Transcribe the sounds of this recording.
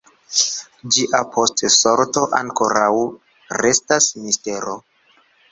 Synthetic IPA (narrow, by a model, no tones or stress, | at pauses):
d͡ʒiʔapʰo̞stso̞ɾto̞ʔaŋko̞ɾaw | ɾe̞stasmiste̞ɾo̞